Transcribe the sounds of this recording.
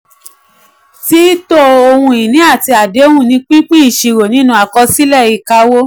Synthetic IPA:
ti˦to˦o˧hũ˧i˨nĩ˨˦a˦˨ti˧a˨de˨˦hũ˦˨nĩ˧˦k͡pĩ˦k͡pĩ˦i˨ʃi˧ɾo˨nĩ˦nũ˧˦a˨kɔ˧si˦lɛ˦˨i˧˨ka˧˦wo˦

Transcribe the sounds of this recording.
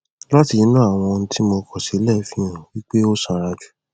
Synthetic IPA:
la˦ti˧˨ĩ˨˦nũ˦a˦˨w̃ɔ̃˧ñ̩˦ti˦mo˧kɔ˨ʃe˨˦lɛ˦˨fĩ˦ã˨wi˦k͡pe˦o˦sã˧˨ɾa˧d͡ʒu̥˨

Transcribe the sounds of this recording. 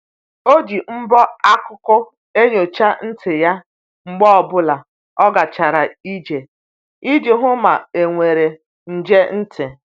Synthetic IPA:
o˦d͡ʒi˨ŋ͡m̩˦bɔ˦a˦kʊ˦kʊ˦ | e˦ɲo˨t͡ʃa˦n̩˦tʰɪ˨ja˦ | ŋ͡m̩˦ɡ͡bɔ˦ɔ˨bʊ˦la˨ | ɔ˦ɡa˨t͡ʃa˨ɾa˨i˦d͡ʒe˨ | i˦d͡ʒe˨ɦʊ˦ma˨e˨ŋʷe˨ɾe˨ | n̩˨d͡ʒe˦n̩˦tʰɪ˨

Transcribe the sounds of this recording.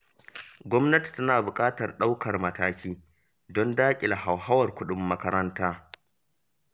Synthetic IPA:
ɡʷɔ˦mnɐ˦ti̥˨tɐ˦naː˨bʊ˨kʼaː˦tɐ˨rɗa˦wkɐ˨rmɐ˨taː˦kʲiː˦ | dɔ˦ndaː˦kʲʼɪ˨la˨ɦa˨wɦa˦wɐ˨rkʷʊ˦ɗʊ˦mːɐ˦kɐ˦ɾɐ˦ntaː˦

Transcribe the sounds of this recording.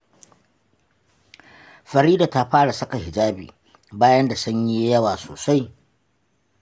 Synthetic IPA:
ɸɐ˨ɾiː˦da˨ta˦ɸaː˦ɽa˨sɐ˦ka˨hɪ˨d͡ʒaː˦bḭː˨ | baː˦jɐ˦nda˨sʊ˦ɲji˦jɐ˦waː˨so̰ː˨sa˦j

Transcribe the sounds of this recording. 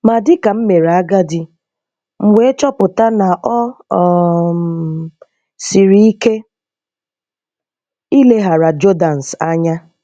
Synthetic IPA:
ma˨dɪ˦ka˨m̩˦me˨ɾa˦ɡa˦dɪ˦ | ŋ̩˨ŋʷe˦e˦t͡ʃɔ˦pʊ˨ta˦na˨ʔɔ˦ | si˨ɾi˦i˦ke˦ | i˦le˦ɦa˨ɾa˨d͡ʒo˦da˨n̩˨sa˦ɲa˦

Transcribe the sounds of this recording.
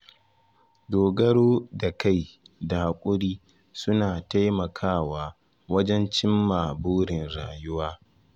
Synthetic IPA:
doː˨ɡɐ˦ɽoː˦da˨ka˦˨jda˨ha˨kʷʼʊ˦ɽiː˦ | sʊ˦naː˨ta˦jmɐ˨kʰaː˦˨waː˨ | wɐ˦d͡ʒɛ˦nt͡ʃɪ˦mːaː˨boː˦ɽɪ˨nɽaː˨jʊ˦waː˦

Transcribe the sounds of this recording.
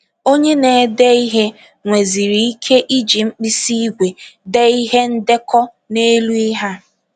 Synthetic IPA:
o˦ɲe˦ne˨˦de˦i˦ɦe˦ | ŋʷe˨zi˨ɾi˨i˦kʰe˦ʔi˦d͡ʒi˨ŋ͡m̩˦k͡pi˦si˦ɡʷe˨de˦i˦ɦe˦n̩˦de˦kɔ˦ | ne˦lu˦i˦ɦa˦

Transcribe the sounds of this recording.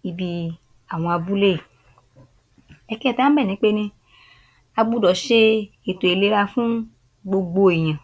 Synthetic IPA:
i˨bi˧ | a˨w̃ɔ̃˧a˨bu˦le˦˨ | ɛ˦kɛ˦˨t̪ã˦bɛ˦˨nẽ˨˦k͡pe˦nẽ˧ | a˨ɡ͡bu˦dɔ˨ʃe˦e˨t̪o˨e˨le˨˦ɾa˧fũ˦ | ɡ͡bo˧ɡ͡bo˦e˨ɲã˨

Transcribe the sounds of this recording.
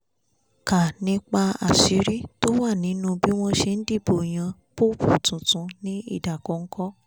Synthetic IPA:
ka˨nĩ˦k͡pa˧a̰˨si˨˦ɾi˦to˦wa˦˨nĩ˨˦nũ˧bi˦w̃ɔ̃˦ʃe˧n̩˦di˦˨bo˨j̃ã˧po˦bu˦˨tũ˨tũ˨˧˦nĩ˦ḭ˦˨da˨kɔ˨˦ŋ̩˦kɔ˦

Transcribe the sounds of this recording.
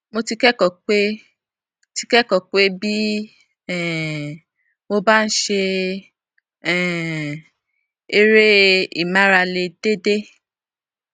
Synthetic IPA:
mo˧ti˧kɛ˦kɔ˨k͡pe˦ | ti˧kɛ˦kɔ˨k͡pe˦bi˦ | ɛ˨ | mo˧ba˦˧n̩˦ʃe˧ | ɛ˨ | e˧ɾe˦i˨mã˦ɾa˧le˧d̥e˦de˦

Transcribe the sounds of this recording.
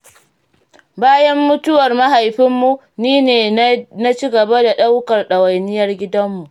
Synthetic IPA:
baː˦jɐ˦mːʊ˦tʊ˦wɐ˨rma˦ɦa˨jɸɪ˦mːu˨ | niː˦neː˨na˦t͡ʃi˦ɡɐ˨ba˦da˨ɗa˦wkɐ˨rɗɐ˨wɐ˨jnɪ˦jɐ˦rɡʲɪ˦dɐ˦mːu˨ʔ

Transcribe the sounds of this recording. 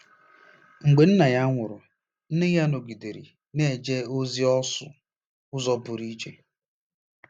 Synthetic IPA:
ŋ͡m̩˨ɡ͡be˨n̩˦na˨ja˦ŋʷʊ˨ɾʊ˨ | n̩˦ne˦ja˦no˨ɡi˨de˨ɾḭ˨ | ne˦˨d͡ʒe˦o˦zi˦ɔ˦sʊ̰˨ | ʊ˦zɔ˦bʊ˨ɾi˦d͡ʒe˦

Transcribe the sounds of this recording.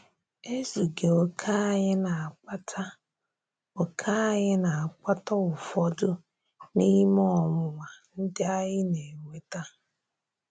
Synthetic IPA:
e˦zu˨ɡe˨o˦kʰa˦ɲɪ˦na˨a˦ta˦ | o˨kʰa˦a˦ɣɪ˦na˨a˨k͡pa˦tɔ˦ʊ˨fɔ˦dʊ˦ | ni˦m˦ɔ˦˨mʊ˨ŋa˨n̩˦dɪ˦a˦jɪ˦ne˨ŋʷe˨ta˦

